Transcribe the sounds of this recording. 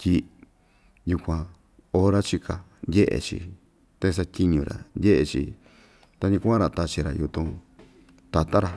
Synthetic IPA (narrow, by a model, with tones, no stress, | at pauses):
tʲi˧ | ju˧kʷã˧ | o˧ɾa˦t͡ʃi˧ka˧ndʲe˦ʔḛ˨t͡ʃḭ˧ | t̪e˦˧s̬a˧tʲi˦˧ɲũ˧ɾa̰˨ndʲe˦ʔe˧t͡ʃḭ˧ | t̪a˧ɲĩ˧ku˦ã˦ɾa˧˨t̪a˧t͡ʃi˧ɾa̰˨ju˧t̪ũ˧ | t̪a˧t̪a˦ɾa˧